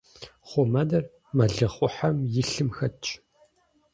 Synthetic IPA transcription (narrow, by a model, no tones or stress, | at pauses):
χʷɔmɐdɐr | mɐɮɨχʷʊħɐmjɪɬɨmxɐt͡ʃʼ